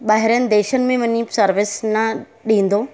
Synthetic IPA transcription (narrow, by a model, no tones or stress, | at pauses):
ɓaːɦɪɾənɪ̆d̪eːʃənɪ̆mẽʋɐɲisɐɾʋɪsnɐ | ɗĩːn̆d̪oː